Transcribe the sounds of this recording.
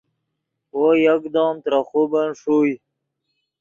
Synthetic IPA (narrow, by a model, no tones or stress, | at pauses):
wojakd̪oːmt̪ɾaχubanʂuj